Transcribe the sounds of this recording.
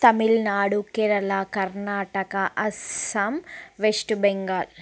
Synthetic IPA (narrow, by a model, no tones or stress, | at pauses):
t̪ɐmilnaːɽukɛɾɐlakɐɾnaːʈɐkɐʔɐsɐmʋeʂʈubeŋɡaːl